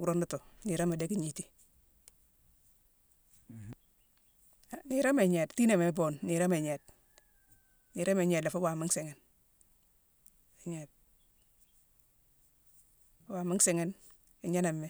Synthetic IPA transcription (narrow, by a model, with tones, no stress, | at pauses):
u˨ɾo˦ndo˦to˨ni˨ɾa˦ma˨de˦ki˨ɲi˨ti̥˦ | a˨ni˨ɾa˦me˨ɲɛ˨tti˦na˨me˨˦bo˨nːi˨ɾa˦me˨ɲɛ˨t̚ | ni˨ɾa˦me˨ɲɛ˨dla˨fo˦wa˨mɪ˦ŋse˨ŋɛ˨n | e˨ɲɛ˨t̚ | wa˨mi˦ŋse˨ŋɛ˦n | e˨ɲa˦na˨mː˨e˦